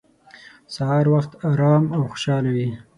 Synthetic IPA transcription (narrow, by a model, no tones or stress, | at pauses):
sahɑɾwaxt̪ɑɾɑmawxo̥ʃɑlawi